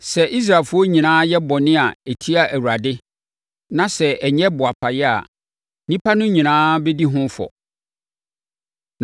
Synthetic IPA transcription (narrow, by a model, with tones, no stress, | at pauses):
sɛ˨ʔi˦s̬ɾaː˨fʊ˦ɔ˦ɲĩ˨nãː˦jɛ˦bɔ˨nɪ̃˦a˨e˨tʰi˦a˦ʔæ˨wu˨ɾa˨dɪ˦ | nã˦sɛ˨ɛ˨ɲɛ˦bʊ˨a˨pʰa˨jɛ˦a̰˨ | nĩ˦pʰa˦nʊ̃˦ɲĩ˨nãː˦bɛ˦di˦ɦʊ̃˦fɔ̰˨